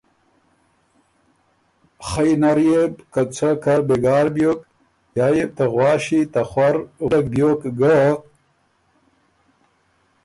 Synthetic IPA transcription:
χɐjnɐɾjebkɐt͡sʰɐkɐɾbeɡaːɾbjoːk | jaːjeb̚t̪ɐɣwaːɕit̪ɐχwɐɾɐk̚bjoːkɡə

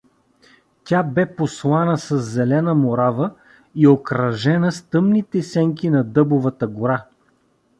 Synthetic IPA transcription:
t̪ʲabɛposlˠanəsɐzːɛlɛnəmoɾavə | iokɾɐʒɛnəst̪ɤmnit̪ɛsɛŋkinɐd̪ɤbovət̪əɡoɾa

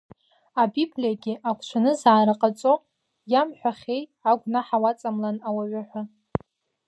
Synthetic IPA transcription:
abiblʲiaɡʲɪʔakʷʰt͡ʃʷʰanɨzaːɾaqʼat͡sʼo | jamħʷᶣaχʲe̞jaɡʷnaħawat͡sʼamlanawaɥʷaħʷa

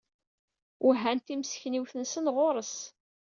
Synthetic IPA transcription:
ʊɦænt̪imsçniwθənsənʁoɾˤəs

